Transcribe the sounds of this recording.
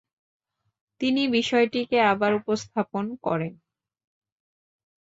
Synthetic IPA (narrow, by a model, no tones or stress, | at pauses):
t̪inibiʃɔeʈikeabaɾupost̪ʰaponkɔ̰ɾen